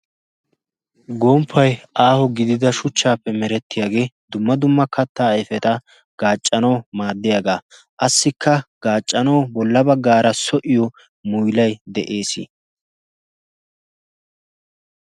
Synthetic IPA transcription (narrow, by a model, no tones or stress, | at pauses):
ɡɔːmpʰːɐjʔaːhɔɡɪd̪ɪd̪ɐʃʊt͡ʃːaːpːɛmɛɾɛt̪ːɪjaːɡe̞ːd̪ʊmːɐd̪ʊmːɐkʰɐt̪ːaːɐjfɛt̪ɐ | ɡ̥aːt͡ʃʼːɐnɐwmaːd̪ːɪjaːɡaː | ʔɐsːɪkʰːɐɡ̥aːt͡ʃʼːɐnɐwbɔlːɐbɐɡːaːɾɐsɔʔɪjɔ | mʊjlɐjd̪ɛʔeːsḭ